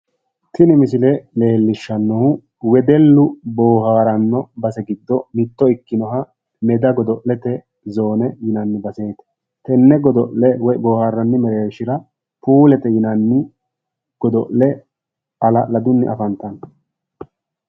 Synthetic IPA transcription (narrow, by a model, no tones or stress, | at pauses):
t̪ʰɪnɪmɪsɪlɛle̞ːlːɪʃːɐnːɔhʊ | wɛd̪ɛlːʊboːhaːɾɐnːɔbɐsɛɡɪd̪ːɔmɪt̪ːɔɪkːɪnɔɦɐ | mɛd̪ɐɡɔd̪ɔʔlɛt̪ɛ | zo̞ːnɛjɪnɐnːɪbɐsejt̪ɐ̥ | t̪ɛnːɛɡɔd̪ɔʔɛwɔjboːhaːɾːɐnːɪmɛɾeːʃɪɾɐ | puːlɛt̪ɛjɪnɐnːɪ | ɡ̥ɔd̪ɔʔlɛ | ɐlɐlɐd̪ʊnːɪ̰ʔɐfɐnt̪ɐn